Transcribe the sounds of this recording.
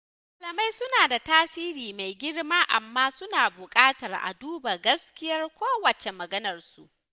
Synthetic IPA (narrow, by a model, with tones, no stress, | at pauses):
a˨lɐ˨ma˦jsʊ˦naː˨da˨taː˦siː˦ɾiː˨ma˨jɡʲɪ˦rmaː˦ʔa̰˨mːaː˦sʊ˦naː˨bʊ˨kʼaː˦tɐ˨rʔa̰˨duː˦ba˨ɡɐ˦skʲɪ˦jɐ˦rkʷoː˦wɐ˨t͡ʃe˨mɐ˨ɡɐ˦nɐ˨rsu˦ʔ